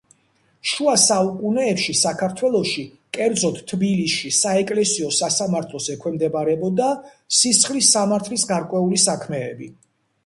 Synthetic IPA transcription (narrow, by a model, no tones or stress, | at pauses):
ʃuasaukʼunɛːpʃisakʰaɾt̪ʰwɛlˠɔʃi | kʼɛɾd̪zɔt̪ʰt̪ʰːbilisʃisaɛkʼlɛsiɔsasamaɾt̪ʰlˠɔsɛkʰwɛmd̪ɛbaɾɛbɔd̪a | sisχlisamaɾt̪ʰlisɡaɾkʼwɛulisakʰmɛːbi